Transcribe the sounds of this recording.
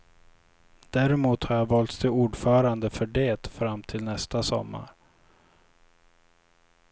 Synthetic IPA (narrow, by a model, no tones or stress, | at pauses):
d̪̥æɾɛmuːt̪haɾjɑːvɑːlt̪st̪ʰɪuːɖfœːɾand̪əfœɖeːt̪fɾamːt̪ʰɪlnɛst̪asɔ̰mːa̰ɾ